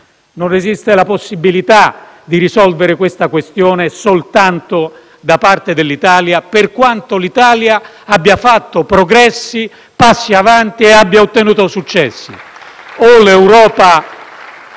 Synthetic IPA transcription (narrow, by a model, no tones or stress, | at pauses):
nonezist̪elaposːibilit̪a | d̪iɾisɔlveɾɪkwest̪akwest̪joːnesolt̪ant̪o | d̪apart̪ed̪elːit̪aːljaperkwant̪olit̪aːlja | abːjafat̪ːopɾoɡɾɛsːi | pasːiavant̪ieabːjaot̪ːenuːt̪osut͡ʃːɛsːḭ | olewɾɔːpa